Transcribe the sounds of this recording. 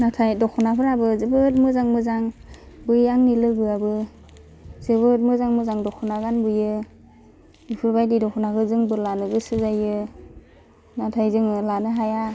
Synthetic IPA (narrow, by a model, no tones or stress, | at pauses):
natʰajdɔkʰɔnapʰɯɾabɯzɯbɯt̚mɯzaŋmɯzaŋ | bɯjaŋnilɯɡɯabɯ | zɯbɯt̚mɯzaŋmɯzaŋdɔkʰunaɡanbɯjɯ | ipʰɯɾbajdidɔkʰɔnakɯzɯŋbɯlanɯɡɯsɯzajɯ | natʰajzɯŋɯlanɯɦaja